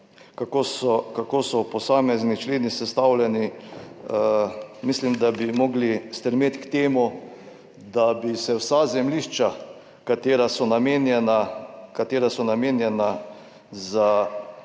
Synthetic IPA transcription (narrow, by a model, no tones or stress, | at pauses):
kakosɔkakoːsɔpɔsaːmɛznit͡ʃleːnisɛst̪aːwlʲɛni | mislimd̪abimɔːɡlist̪ɾɛmeːt̪kt̪eːmu | d̪abisɛwsazɛmliʃt͡ʃa | kat̪eːɾasɔnameːnɛnakat̪eːɾasɔnameːnjɛna | za